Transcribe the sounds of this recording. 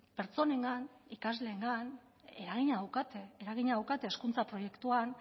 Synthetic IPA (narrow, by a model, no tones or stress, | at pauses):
pe̞ɾt͡so̞neŋɡanikazle̞ːŋɡan | eɾaɣiɲaðawkat̪eeɾaɣiɲaðawkat̪e̞ːskunt͡sapɾo̞je̞kt̪uan